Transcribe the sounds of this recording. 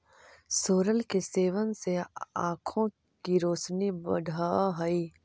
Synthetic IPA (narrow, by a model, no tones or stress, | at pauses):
soːɾəlkeseːʋənseã̰ːkʰõ | kiɾoːsnibəɖʱaɦəi